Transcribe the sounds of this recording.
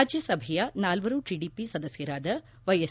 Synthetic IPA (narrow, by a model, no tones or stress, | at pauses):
ad͡ʒjɐsɐbʱɛjɐnaːlʋɐɾuʈiːɖiːpisɐd̪ɐsjɐɾaːd̪ɐ | ʋɐjes